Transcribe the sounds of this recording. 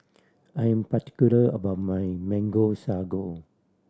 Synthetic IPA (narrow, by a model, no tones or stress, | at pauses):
ajə̃mpati̥kuləəbamãjmɛ̃ŋɡosaɡo